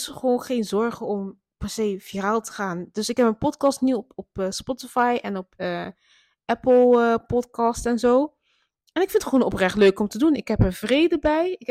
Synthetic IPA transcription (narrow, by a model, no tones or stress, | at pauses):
sχəʋoːnχeːnzɔɹχəɔm | pɛɹsejfiaːlˠtə̥χaːndɵsɪkɦɛpmənpɔtkɑstniɔpːspɔtɪfajʔɛnɔpə | ʔɛpl̩ˠpɔtkɑstɛnzoː | ɛnɪkfɪntχəʋoːnɔprɛχtløɥkɔmtədunɪkɦɛpəɹvrejdəbɛjɪ